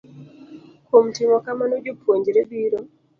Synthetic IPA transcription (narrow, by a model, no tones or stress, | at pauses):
kom̩timɔkamanod͡ʒopʰwoɲd͡ʒɾebiɾo